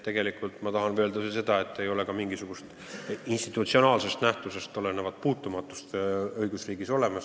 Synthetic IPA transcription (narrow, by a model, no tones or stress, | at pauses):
t̪e̞ɡ̥e̞likˑult̪mɑt̪ɑɦɑnvøeld̪ɑsese̞d̪̥ɑe̞t̪ːe̞jo̞le̞kɑmiŋɡisuɡ̥ust̪ | inst̪it̪ˑut̪sio̞nɑːlse̞st̪næht̪use̞st̪o̞le̞nevɑd̪̥̚puːt̪ːˑumɑt̪ːˑust̪ɤjɡ̥usriːɡ̥iso̞le̞mɑs